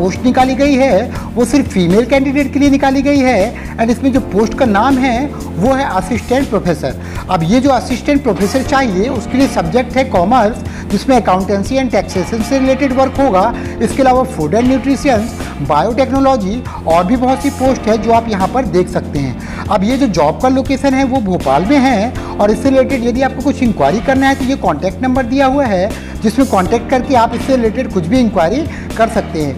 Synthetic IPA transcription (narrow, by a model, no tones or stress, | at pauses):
poːsʈnɪkaːliɡɐiɦɛ | ʋosɪɾfːiːmeːlkɛ̃ːɳɖɪɖeːʈ̚kelienɪkaːliɡɐiɦɛ | ɛ̃ːnɪsmẽd͡ʒoːpoːsʈkanaːmɦɛ | ʋoɦɛʔɐsɪsʈɛ̃ɳʈ̚pɾoːfʰeːsəɾ | ɐbjed͡ʒoːɐsɪsʈɛ̃ɳʈ̚pɾoːfʰeːsəɾt͡ʃaːɦieʊskeliesɐb̚d͡ʒek̚ʈɦɛkɔːməɾs | d͡ʒɪsmẽɐkaːʊ̃ɳʈɛ̃ːnsiɛ̃ːɳʈɛːkseːʃənseɾɪleːʈeɖʋɐɾkɦoːɡaː | ɪskeɐlaːʋafoːɖəɾnjuːʈɾiʃijənz | baːjoʈɛːknoːlɔːd͡ʒi | ɔːɾbʱibɐɦʊt̪sipoːsʈɦɛd͡ʒoːaːpjɐɦãpɐɾd̪eːkʰsɐk̚t̪eɦɛ̰̃ː | ɐbjed͡ʒoːd͡ʒɔːb̚kaloːkeːʃənɦɛʋobʱoːpaːlmẽɦɛ | ɔːɾɪsːeɾɪleːʈɪɖjɐd̪ʱiaːp̚kokʊt͡ʃʰɪ̃ŋkwaːɾikɐɾnaɦɛt̪ojekɔ̃ːɳʈɛːk̚ʈnɐ̃mbəɾd̪ijaɦuaɦɛ | d͡ʒɪsmẽkɔ̃ːɳʈɛːk̚ʈ̚kɐɾkeaːpɪsːeɾɪleːʈɪɖkʊt͡ʃʰbʱiɪ̃ŋkwaːɪɾi | kɐɾsɐk̚t̪eɦɛ̃ː